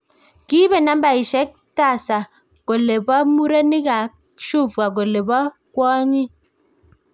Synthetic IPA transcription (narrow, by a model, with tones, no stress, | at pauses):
ki˦be˦˨na˦m˦ba˨i˨ʃɛ˨˦k̚ta˦˨sa˨ | ko˨le˨bɔ˦mu˦ɾe˦ni˦ɡa˨ | ʃu˦˨fɡa˨k̬o˨le˨bɔ˦ | kwɔ˦ɲi˦